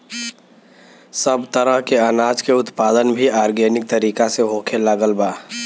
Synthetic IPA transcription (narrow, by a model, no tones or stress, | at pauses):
səbt̪əɾəɦkeənaːd͡ʒkeʊt̪paːd̪ənbʱiaːɾɡenɪk̚t̪əɾiːkaseɦokʰelaːɡəlbaː